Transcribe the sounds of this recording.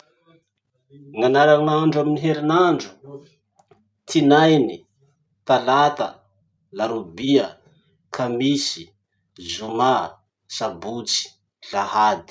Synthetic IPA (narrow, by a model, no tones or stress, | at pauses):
ŋanaɾanaɳɖ͡ʐaminiɦeɾinaɳɖ͡ʐu̥ | t̪ʰinajni | t̪alat̪ə̰ | laɾubiə | kʰamisi̥ | zuma | sabut͡si̥ | ɮahad̪i̥